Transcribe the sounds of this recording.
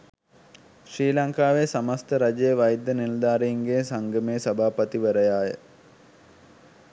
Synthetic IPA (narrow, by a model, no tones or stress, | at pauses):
ʃɾiːlɐŋkaːʋesamast̪əɾɐd͡ʒejəʋɐjd̪ːənild̪aːɾeiŋɡeːsaŋɡəmesɐbʱaːpət̪iʋəɾəjaːjə̰